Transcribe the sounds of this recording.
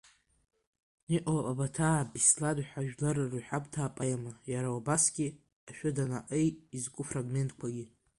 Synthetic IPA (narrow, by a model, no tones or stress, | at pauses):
niʔawapʼabatʰaːbisladħʷᶣaʒᶣlarruħʷᶣakʼtʰaːpʼajamajaɾawabasɡʲi | aʃᶣadana̰ʔejtʼizkʷʼufraɡme̞ntʰʼkʷʰaɡʲi